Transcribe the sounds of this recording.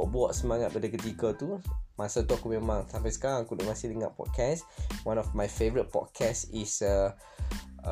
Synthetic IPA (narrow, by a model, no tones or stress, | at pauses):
ɔʔ̚bwɔʔsəmãŋat̪̚padəkət̪ikat̪umasat̪uakumẽmãŋt̪ampasə̥kaɾaŋkudʊʔmasɪhliŋa̰ʔ̚pɔ̰t̚kʰɛswãnɔfmajfevəɾət̪̚pɔ̰t̚kʰɛsisə